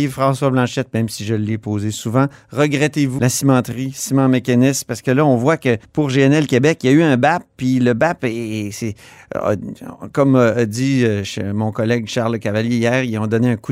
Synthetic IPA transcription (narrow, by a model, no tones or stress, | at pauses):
fχɑ̃swablɑ̃ʃɛt̪̚mɛ̃msiʒəlːɛpoːzesuvɑ̃ʁəɡʁɛt̪evulasimɑ̃t̪ʁisimɑ̃mekʲanɪspaʁsə̥kəlʌɔ̃vwakəpuʁʒeɛnɛlkʲebɛkjayœ̃bap̚ːiləbapesḛ | kɔmːd̪d͡z̪iʃmɔ̃kɔlɛɡʃaʁləkavaljeijɛːʁiɔ̃d̪ɔneɛ̃ku